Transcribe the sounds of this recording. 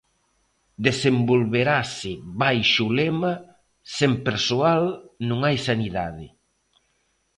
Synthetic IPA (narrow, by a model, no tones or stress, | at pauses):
d̪esembolβeɾasɪβajʃʊlɛma | sempeɾsoalnũŋajsaniða̰ðɪ̰